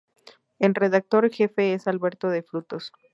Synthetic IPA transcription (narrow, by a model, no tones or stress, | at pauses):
elre̞ðak̚t̪o̞ɾxe̞fe̞esalβe̞ɾt̪oðeflut̪o̞s